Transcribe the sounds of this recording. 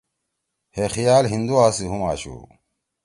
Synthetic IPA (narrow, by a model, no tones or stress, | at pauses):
hexijaːlɦind̪uaːsiɦumaːɕṵː